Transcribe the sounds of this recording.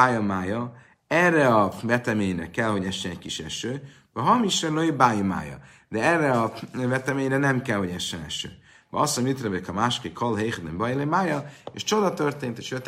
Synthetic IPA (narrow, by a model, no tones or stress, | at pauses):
ajɒmaːjɒ | ɛrːɛɒvɛt̪ɛmeːɲrɛkɛlho̞ɟɛʃːɛnɛckiʃɛʃøː | vɛɦɒmiʃɾɛnloibaːjima̰ːjɒ̰ | d̪ɛɛrːɛɒvɛt̪ɛmeːɲɾɛnɛmkɛlho̞ɟɛʃːɛnɛʃø̰ː | vɛ̰ɒsomit̪ɾɛbekɒmaʃkekʰɒlɦejχɛd̪embɒjilemaːjɒeʃt͡ʃo̞d̪ɒt̪ørt̪eːnt̪eːʃøt̪